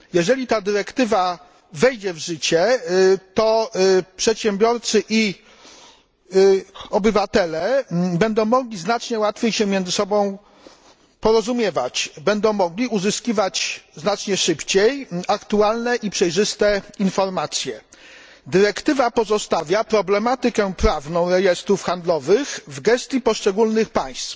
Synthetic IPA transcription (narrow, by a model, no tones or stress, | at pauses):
jɛʐɛlʲit̪ad̪ɘɾɛkt̪ɘva | vɛjd͡ʑɛvʐɘt͡ɕɛt̪ɔpʂɛt̪ɕɛmbʲjɔɾt̪sɘʔi | ɔbɘvat̪ɛlɛbɛnd̪ɔ̃w̃mɔɡlʲiznat͡ʂɲɛwat̪fʲjejɕɛmʲjɛnd̪zɘsɔbɔ̃w̃ | pɔɾɔzumʲjɛvat͡ɕbɛnd̪ɔ̃w̃mɔɡlʲiuzɘskʲivat͡ɕznat͡ʂɲɛʂɘpt͡ɕejakt̪ualnɛʔipʂɛjʐɘst̪ɛinfɔɾmat̪sʲjɛ | d̪ɘɾɛkt̪ɘvapɔzɔst̪avʲjapɾɔblɛmat̪ɘkɛpɾavnɔ̃w̃ɾɛjɛst̪ɾufxand̪lɔvɘxvɡɛst̪ʲjipɔʂt͡ʂɛɡulnɘxpaj̃st̪f